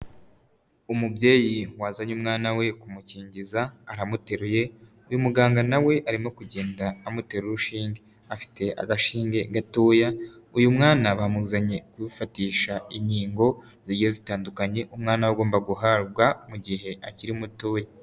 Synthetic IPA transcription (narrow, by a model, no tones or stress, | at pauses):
umubɟe̞ːjiwazaɲumŋaːnawe̞kumuciːɲɟizaːɾamute̞ɾuje̞ | ujumuɡaːŋɡanawe̞ʔaɾimo̞kuɟe̞ːndaːmute̞ɾuɾuʃiːŋɡe | afi̥te̞ʔa̰ɡaʃiːŋɡe̞ɡatoːjaujumŋaːnaβamuzaɲe̞kwiufatiːʃaiɲiːŋɡo̞ | ziɾijo̞zitaːndukaɲe̞ʔumŋaːnawaɡo̞ːmbaɡuɦaɾɡwamuɟihe̞ʔaciɾimutoːja